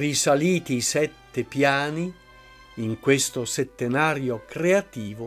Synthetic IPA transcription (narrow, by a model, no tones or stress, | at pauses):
risaliːt̪isɛt̪ːepjaːniː | ŋkwest̪oset̪ːenaːɾjokɾeat̪iːvo